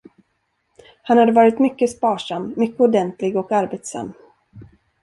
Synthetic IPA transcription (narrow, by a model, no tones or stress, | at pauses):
hanhad̪ːəvɑːɾɪt̪mʏkːəspɑːʂamːʏkːəɔd̪ɛnt̪lɪɡɔkaɾbeːt̪sa̰mː